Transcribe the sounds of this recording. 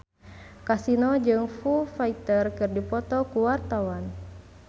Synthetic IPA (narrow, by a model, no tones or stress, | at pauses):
kasinɔd͡ʒɨŋfufait̪ərkɨrdipɔt̪ɔkuwart̪awan